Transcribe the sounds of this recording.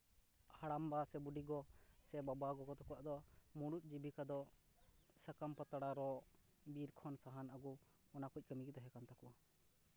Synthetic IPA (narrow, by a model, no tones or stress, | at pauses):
haɽambasɛbuɖiɡɔsɛbabaɡɔkɔt̪ɔkuwaʔd̪ɔmuɽuʔ̪̚ˀd͡ʒibikad̪ɔ | səkampət̪aɽaɾɔ | biɾkʰɔnsaɦanaɡɔ | ɔnakuc̚ˀkəmikid̪ɔɦɛkant̪ʰakua